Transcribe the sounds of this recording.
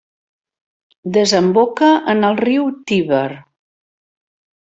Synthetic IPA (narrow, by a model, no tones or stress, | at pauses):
d̪əzəmbokəʔənəlˠriwt̪iβər